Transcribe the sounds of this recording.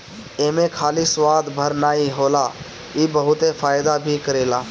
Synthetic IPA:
eːmẽkʰaːliswaːd̪bʱəɾnaːiɦoːla | iːbəɦʊt̪efʰaːjd̪abʱikəɾeːlaː

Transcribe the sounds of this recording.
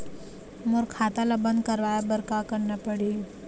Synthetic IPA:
mʊɾkʰaːt̪alabə̃nd̪̚kɐɾʋaːjabəɾkakɐɾnapəɽeː

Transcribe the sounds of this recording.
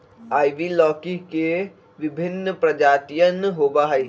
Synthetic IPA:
aːiʋilɔːkike | ʋɪbʱɪnːəpɾəd͡ʒaːt̪ijənɦoːbaɦəi

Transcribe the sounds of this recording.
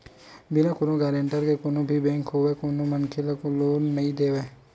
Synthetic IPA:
bɪnãkʊnõɡaːɾeɳʈəɾkekʊnõːbʱibɛ̃ːŋkɦoːʋeːkonõmənkʰeləkoloːnːəĩːd̪eːʋeː

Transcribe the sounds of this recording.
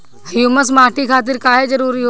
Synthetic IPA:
ɐjuməs̬maːʈikʰaːt̪̬ɪɾkaːɦed͡ʒɐɾuːɾiɦo

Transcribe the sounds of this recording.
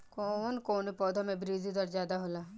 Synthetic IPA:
konkoːnipɔːd̪ʱomẽbɾiːzid̪əɾd͡ʒjaːd̪aɦola

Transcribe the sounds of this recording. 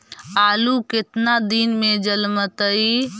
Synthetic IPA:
aːluket̪nad̪inmẽd͡ʒəlmət̪əi

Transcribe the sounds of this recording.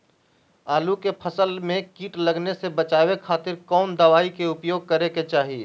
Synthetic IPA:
aːlukepʰɐsəlmẽkiːʈlɐɡnesebɐt͡ʃaːwekʰaːt̪ɪɾkɔːnd̪əʋaːikeʊpjoːɡ̚kɐɾeket͡ʃaːɦie

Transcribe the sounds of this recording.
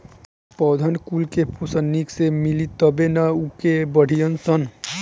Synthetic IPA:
pɔd̪ʱənkulkepʰosənːiksemilit̪əbenaukebəɽ̤ʱijənsən

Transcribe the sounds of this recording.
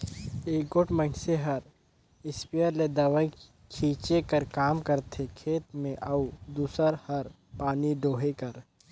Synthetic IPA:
eːɡoʈməɪnseɦɐɾ | ɪspijəɾled̪ɐʋəĩ | kʰiːt͡ʃekəɾkaːmkɐɾt̪ʰekʰeːt̪mẽʔɐud̪uːsəɾhɐɾ | paːniɖoːɦekɐɾ

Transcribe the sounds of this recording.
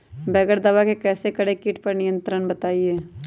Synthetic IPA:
bɛːɡəɾd̪ɐʋakekɛːsekɐɽekɪːʈpɐɾnɪjə̃nt̪ɾənbɐt̪aːieː

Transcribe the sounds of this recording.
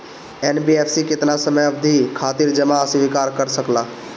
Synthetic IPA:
enbiepʰsiket̪nasəməjəbd̪ʱikʰat̪iɾd͡ʒəmaːsiʋikaɾkəɾsəkla

